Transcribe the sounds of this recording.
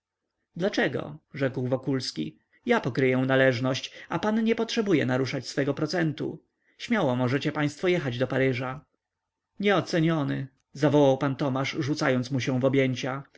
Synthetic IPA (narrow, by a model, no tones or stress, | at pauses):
d̪lat͡ʂɛɡɔ̰ʐɛkwvɔkulskʲḭ | japɔkɾɘjɛw̃nalɛʐnɔɕt͡ɕapanɲɛpɔtʂɛbujɛ̰naɾuʂat͡ɕsfɛɡɔpɾɔt̪sɛnt̪ṵ | ɕmʲjawɔmɔʐɛt͡ɕɛpaj̃st̪fɔjɛxad͡ʑd̪ɔpaɾɘʐa | ɲɛɔt̪sɛɲɔnɘ̰ | zavɔwawpant̪ɔmaʂʐut̪sajɔnt̪smuɕɛ̃w̃vɔbʲjeɲt͡ɕa